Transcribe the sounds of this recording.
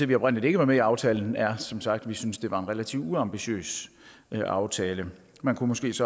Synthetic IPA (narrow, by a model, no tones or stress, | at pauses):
eʋiɒ̽b̥ʁɛn̰lide̝ɡ̥əʋɑ̈meiɑ̈ʊt͡sʰɛːln̩æɐsɒ̽msɑ̈ɡ̥̚d̥ʋisynsd̥e̝ʋɑ̈e̝nʁelæt͡sʰḭʊ̥uɑ̈mb̥iɕø̰ːs | ʔɑ̈ʊt͡sʰɛːlə | mænkʰumɔ̽sɡ̥e̝̰ːsɒ̽